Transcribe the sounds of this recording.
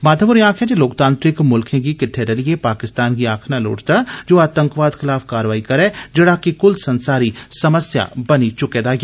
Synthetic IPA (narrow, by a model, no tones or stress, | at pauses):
maːt̪ʰəmʊːɾjãːkʰjad͡ʒeloːkt̪ãːnt̪ɾɪkmʊlkʰẽk̬ikɪʈʰeɾɐliepaːkɪst̪aːnkiaːkʰnalo̰ːʈt̪ad͡ʒoːaːt̪ə̃ŋkʋaːd̪xɪlaːfkaːɾʋaːikɐɾɛːd͡ʒɐɽakikʊlsɐ̃nsaːɾisɐməsja̰bɐnit͡ʃʊked̪aːɡː